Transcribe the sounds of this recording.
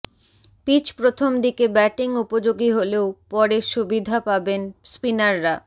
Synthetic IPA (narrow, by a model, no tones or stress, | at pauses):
pit͡ɕpɾot̪ʰomd̪ikebɛʈiŋupod͡ʑoɡiɦoleopɔɾeʃubid̪ʱapabenspinaɾːa